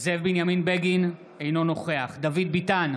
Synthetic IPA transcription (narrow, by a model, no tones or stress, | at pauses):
zevbinjaminbeɡin | ejno̞no̞χe̞aχd̪avid̪̚bitan